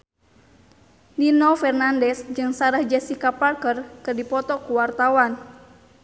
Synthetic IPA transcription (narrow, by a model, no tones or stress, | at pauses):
linɔfɛrnandɛsd͡ʒɨŋsaɾahd͡ʒɛsikaparkərkɨrdipɔt̪ɔkuwart̪awan